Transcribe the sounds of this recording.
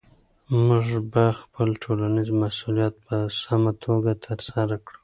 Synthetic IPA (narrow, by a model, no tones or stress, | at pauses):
mʊʐbaxpəlʈʰolanizmasulijɑt̪̚pəsamat̪ʰoɡat̪ʰəɾsaɾakɽu